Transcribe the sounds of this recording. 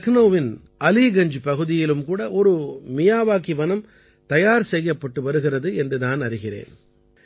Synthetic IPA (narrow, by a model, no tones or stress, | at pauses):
ɐɣnoːʋɪn | ʔɐliːɣɐɲd͡ʒɯpɐɣɯðɪjɪlɯmkuːɽɐʔɔɾɯmɪjaːʋaːkiʋɐnɐm | t̪ɐjaːɾsɛjːɐpːɐʈːɯʋɐɾɯɣɪrɐðɯɛndrɯðaːnɐɾɪɣɪrḛːn